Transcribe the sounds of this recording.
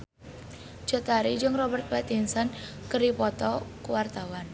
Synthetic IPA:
d͡ʒ̥ɔ̤t̪aɾid͡ʒəŋrɔbərt̪̚pat̪insankəɾipɔt̪ɔkuwart̪awan

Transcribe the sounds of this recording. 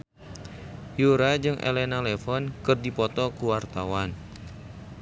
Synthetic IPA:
juɾad͡ʒɨŋʔḛlenalefɔnkərdipɔt̪ɔkuwart̪awan

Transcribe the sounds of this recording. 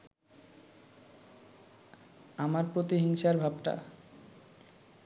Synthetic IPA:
amaɾpɾot̪iɦiŋʃaɾbʱabʈa̰

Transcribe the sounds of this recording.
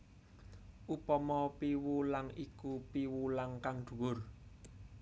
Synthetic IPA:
ʔupɔmɔpiwulaŋikupiwulaŋkaŋɖ̪̥ṳwʊr

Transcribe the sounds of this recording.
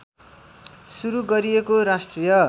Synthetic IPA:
suɾuɡʌɾijekoɾasʈrijʌ

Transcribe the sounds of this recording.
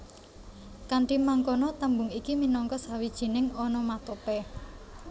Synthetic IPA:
kaɳʈimaŋkonɔt̪əmbʊŋikiminɔŋkɔsawid̥ʒ̥i̤nɪŋɔnɔmat̪opɛ

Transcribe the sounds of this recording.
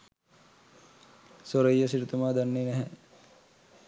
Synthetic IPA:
soɾəjːəsiɾut̪umaːd̪anːenɛɦɛ

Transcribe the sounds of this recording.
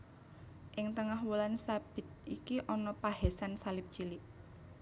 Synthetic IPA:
ʔɪŋt̪əŋahwulansab̥ɪ̤t̪̚ʔikiʔɔnɔpaɦɛsansalɪp̚t͡ʃilɪʔ

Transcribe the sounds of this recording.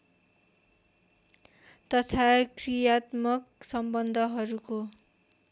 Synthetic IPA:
t̪ʌt̪ʰakrijat̪mʌksʌmbʌnd̪ʱʌɦʌɾuko

